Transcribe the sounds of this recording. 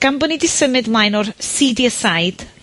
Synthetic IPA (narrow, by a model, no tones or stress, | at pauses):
ɡ̥ambənidɪsəmɨdmlˠajnɔrsidiəsajd̥